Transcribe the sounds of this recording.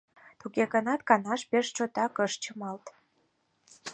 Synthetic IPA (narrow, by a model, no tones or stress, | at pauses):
t̪uɣeɣə̆nɑt̪̚kɑnɑʃpeʃt͡ɕot̪ɑkəʃt͡ɕəmɑlt̪